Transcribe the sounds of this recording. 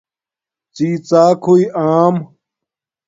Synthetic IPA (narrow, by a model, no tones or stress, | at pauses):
t͡siːt͡saːkʰuiʔaːm